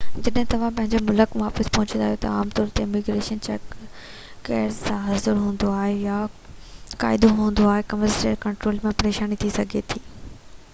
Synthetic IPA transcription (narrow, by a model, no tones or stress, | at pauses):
d͡ʑɐɗɦɪ̃t̪ɐʋ̤ãp̬ɐ̃ɦɪ̃ɲd͡ʑomʊləkʋaːpəspɐɦʊ̃t͡ɕə̃nd̪aːɦjot̪ɐ̰aːmt̪ɔːɾt̪eɪmiɡɾeːʃənt͡ɕɛ̰ːkː | eːɾzsãɦɐzəɾɦũːn̆d̪oaːɦeja | ka̰ːɪd̪oɦũːn̆d̪oaːɦekɐməsʈeːɾkɐ̃ɳʈɾoːlmẽpɐɾeːʃaːnit̪ʰisɐɡʱet̪ʰiː